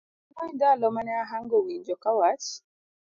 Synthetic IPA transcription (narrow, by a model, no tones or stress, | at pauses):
mɔidalɔmanɛaɦaŋɡɔwind͡ʒɔkawat͡ʃ